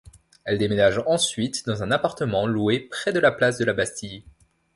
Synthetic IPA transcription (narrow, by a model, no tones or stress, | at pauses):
ɛld̪emenaʒɑ̃sɥit̪d̪ɑ̃zɛ̃napaʁt̪əmɑ̃luwepχɛd̪əlaplasd̪əlabast̪ij